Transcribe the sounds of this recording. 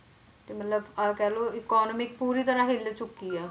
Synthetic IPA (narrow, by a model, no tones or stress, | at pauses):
t̪eːmət̪ləbakɛːloːɪkɔːnəmɪk̚puːɾiːt̪əɾãːɦelet͡ʃʊkːiːɛː